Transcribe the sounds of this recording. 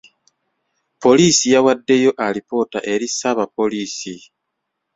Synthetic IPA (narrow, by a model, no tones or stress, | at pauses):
po̞liːsijawadːe̞jo̞ʔalipo̞taʔe̞ɾisaβapo̞liːsi